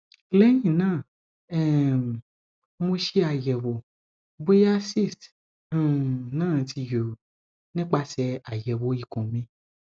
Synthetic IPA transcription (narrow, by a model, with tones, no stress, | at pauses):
lɛ˦j̃ĩ˦˨nãː˦˨ | ɛ˦˨m˨ | mo˧ʃe˧˦a˧˨jɛ˨wo˨ | bo˦ja˦si˦˨st | nãː˦˨˦tʰi˧jo˨ | nĩ˦k͡pa˧sɛ˧a˨jɛ˨wo˨˦i˦˨kɔ̃˨mĩ˨˦